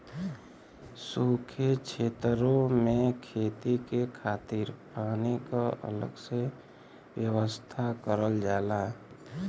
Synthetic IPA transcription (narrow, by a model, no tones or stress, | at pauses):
suːkʰet͡ʃʰeːt̪ɾõmẽkʰeːt̪ikekʰaːt̪iːɾpaːnekaʔə̰lə̰ɡse | wjəwəst̪ʰakəɾəld͡ʒaːlaː